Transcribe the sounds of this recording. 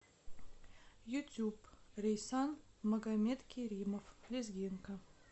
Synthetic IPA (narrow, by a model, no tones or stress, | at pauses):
jut̪ʲjuprʲejsɑnmɐɡamʲet̪kʲʰeɾʲimoflʲezɡʲiŋkə